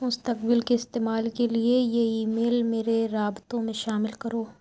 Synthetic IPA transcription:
mʊst̪əkbɪlkeɪst̪eːmaːlkeliejeiːmeːlmeːɾeɾaːbt̪õmẽʃaːmɪlkɐɾoː

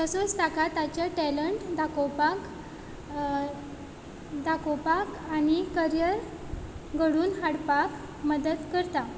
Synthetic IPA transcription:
t̪əsot͡st̪akat̪at͡ɕjaʈɛləɳʈd̪ʱakopak | d̪ʱakopakanikəɾjəɾ | ɡʱəɽuːnɦaɽpak | məd̪əd̪kəɾt̪a

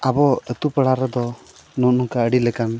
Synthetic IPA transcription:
abɔət̪upəɽaɾɛd̪ɔ | nɔnuŋkaəɽilɛkan

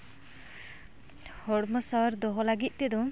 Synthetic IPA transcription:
hɔɽmɔsaɾd̪ɔɦɔlaɡit̪̚ˀt̪ɛd̪ɔ̃

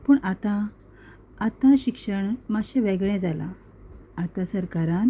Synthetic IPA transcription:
puːɳat̪ãː | t̪ãɕikʂəɳmaɕɛ̃ʋeɡɭɛ̃d͡zala̰ː | t̪ãsəɾkaɾãn

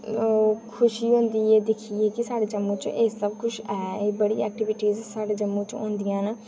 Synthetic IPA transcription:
kʰʊʃiːɦõːnd̪iːeːd̪ɪkʰieːkɪsaːɖeːd͡ʒəmːũːt͡ʃeːsəbkʊʃʰɛːeːbəɽḭːɛːk̚ʈɪʋɪʈiːzsaːɖeːd͡ʒəmːũːt͡ʃõ̰ːnd̪ijãːn

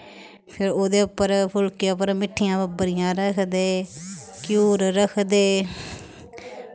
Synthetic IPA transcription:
pʰɪɾoːd̪eːʊpːəɾpʰʊlkeːʊpəɾmɪʈʰːɪjãːbəbəɾɪjãːɾəkʰd̪eːkjuːɾɾəkʰd̪eː

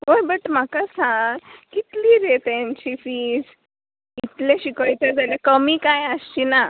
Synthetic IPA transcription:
ɦojbəʈm̤akasãŋɡkit̪liːɾet̪jaɲt͡ɕiːfiːd͡z | it̪leɕikəjt̪ad͡zʱaljakəmiːkajəst͡ɕina

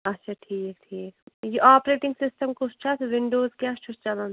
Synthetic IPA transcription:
ɐtːʃʰaʈʰiːk̚ʈʰiːkjiʔaːpɾeːʈɪ̃ŋɡsɪsʈəmkost͡ʃʰasʋɪ̃ɳɖoːzkaːsʈʰʊst͡ʃɐlãn

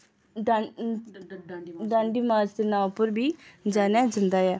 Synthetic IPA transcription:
ɖaːɳɖiːmaːd͡ʒd̪eːnaːpəɾbiːd͡ʒaːnɛːd͡ʒənd̪aːjɛː

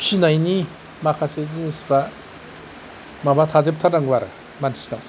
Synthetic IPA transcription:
ɕinaini | makʰasezinisɨba | mabat̪ʰazep̚t̪ʰanaŋɡɯaɾɯ | mani̥sina

